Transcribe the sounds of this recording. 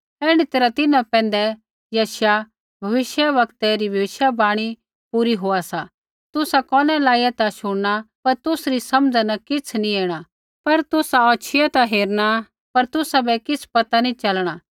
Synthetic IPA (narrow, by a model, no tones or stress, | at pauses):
ɛːɽ̃it̪eːɾat̪ɪnãpɛ̃ːn̆d̪ɛ | jɐːʃja | bʱɐʋɪʃjaʋɐkt̪ɛɾibʱɐʋɪʃjabaːɽ̃i | puːɾiɦoːasa | t̪ʊsakɔːnɛlaːijat̪aʃʊɽɽ̃apɐɾt̪ʊsɾisɐmd͡zanɐkɪt͡sʰnĩeːɽ̃a | pɐɾt̪ʊsaɔːt͡ʃʰɪjat̪aɦeːɾɽ̃a | pɐɾt̪ʊsabɛkɪspɐt̪anĩt͡ʃɐlɽ̃aː